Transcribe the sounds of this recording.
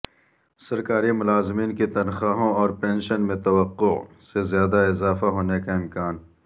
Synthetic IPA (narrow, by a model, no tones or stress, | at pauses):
sɐɾkaːɾimʊlaːzɪmiːnket̪ɐnxaːɦõɔːɾpẽːnʃənmẽt̪ɐwəqːo | sezjaːd̪aɪzaːfaɦoːnekaɪmkaːn